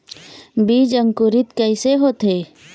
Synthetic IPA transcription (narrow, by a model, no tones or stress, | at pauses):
biːd͡ʒə̃ŋkuɾɪt̪kəɪseɦoːt̪eː